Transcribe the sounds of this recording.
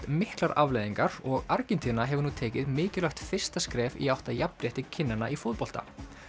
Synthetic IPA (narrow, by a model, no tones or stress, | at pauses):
t̪mɪhklaɾavlejðiŋkaɾɔɣaɾcɪnt̪ʰiːnaɦɛvʏɾnuːt̪ʰeːjcɪðmɪːcɪlœçt̪fɪr̥st̪askɾɛːvḭawht̪ajapːɾjɛht̪ɪcʰɪnːana̰ʔifʊðpɔlt̪a̰